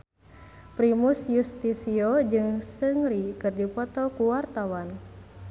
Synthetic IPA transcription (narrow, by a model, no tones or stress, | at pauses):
pɾimusjust̪isiod͡ʒɨŋsɨŋɾikɨrdipɔt̪ɔkuwart̪awan